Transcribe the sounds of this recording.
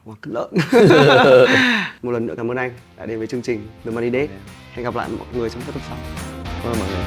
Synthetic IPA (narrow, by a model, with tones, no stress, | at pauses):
kwaː˨˩k̪ɨ˦˥lə̰ː˧˨n | mo˨˩t̚lə˨˩nɨ̰˧˩kaː˨˧˦ʔəː˧nʔa˧jŋ̟ɗa̰ː˧˨ɗe˨˧˦vːt͡ɕɨ˧əŋt͡ɕï˨˩ŋ̟ɗɨ˨˩maː˧ɗi˧ɗe˨˦ha˧jŋɣa˨˩p̚la̰ː˧˨jmɔ̰˧˨jŋɨ˨˩əjt͡ɕɔ˧wŋ͡mkaː˦˥t̪ə˨˩sa˦˥k͡p̚ː | mɔ̰˧˨jŋɨ˨˩